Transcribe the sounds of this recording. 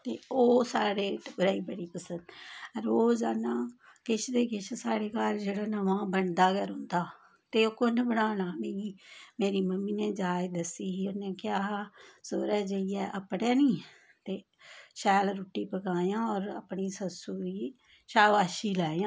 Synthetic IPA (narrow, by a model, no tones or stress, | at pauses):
t̪eːoːsaːɽeːbəɾaːiːbəɽiːpəsənd̪ɾoːd͡ʒaːnãːkɪt͡ʃʰd̪eːkɪt͡ʃʰsaːɽeːkaːld͡ʒeːɽaːnəʋãːbəɳd̪aːkəɾɦʊ̃nd̪aː | t̪eːoːkʊnbəɽaːnãːmeːɡiːmeːɾiːməmːiːnẽːd͡ʒaːd͡ʒd̪əsiːɦiːʊnːẽːkɪjaːsoːɾɛːd͡ʒəiɛːʔəpɽeːnĩː | t̪eː | ʃɛːlɾuːʈːiːpəkaːjãːɔːɾə̰pɳiːsəsuːɾiː | ʃaːʋaːʃiːlaːejãː